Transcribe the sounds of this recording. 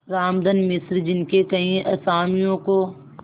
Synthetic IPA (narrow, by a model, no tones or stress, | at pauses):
ɾaːmd̪ənmɪsɾd͡ʒɪnkekɐɦĩʔɐsaːmijõko